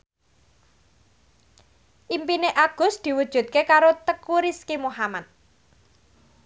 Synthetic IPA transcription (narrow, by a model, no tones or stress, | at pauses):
ʔimpineʔaɡ̥ʊ̤sd̪̥i̤wud̥ʒ̥ṳt̪̚kekaɾot̪əkuɾiskimoɦamat̪̚